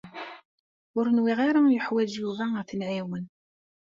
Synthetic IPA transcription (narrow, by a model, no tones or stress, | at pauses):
ʊɾənwiʁaɾajəħwæd͡ʒjuvæθənʕiwən